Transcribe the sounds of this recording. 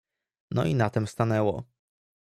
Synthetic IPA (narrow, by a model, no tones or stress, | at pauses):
nɔ̰ʔinat̪ɛmst̪anɛwɔ̰